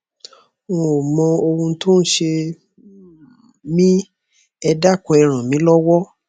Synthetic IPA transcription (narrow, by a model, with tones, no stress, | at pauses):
wɔ̃˧˨o˨mɔ̃˧o˧wũ˧˦tʰo˦n̩˦ʃe˧ | mĩ˦ | ɛ˧da˦˨kɔ˨˧ɛ˧ɾ̃ã˨mĩ˨˦lɔ˦wɔ˦